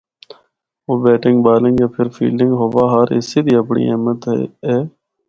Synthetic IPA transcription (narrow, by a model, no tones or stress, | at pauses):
oːbeːʈɪ̃ŋɡbaːlɪ̃ŋɡeːpʰɪɾfʰḭːlɪŋɡɦoːʋaːɦəɾɪ̰siːd̪iːəpɳḭːeːmət̪ɦḛːeː